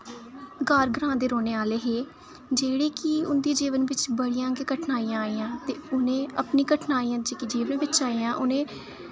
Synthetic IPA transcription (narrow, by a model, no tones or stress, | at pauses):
ɡaːɾɡɾãːd̪eːɾoːneːaːleːɦeː | d͡ʒeːɽeːkɪʊnd̪id͡ʒiːʋənʋɪt͡ʃbəɽijãːɡeːkəʈʰnaːiːãːaːiːjãːt̪eːʊnẽːəpniːkəʈʰnaːiːãːd͡ʒeːkid͡ʒiːʋənʋɪt͡ʃaːiːãːʔʊnẽː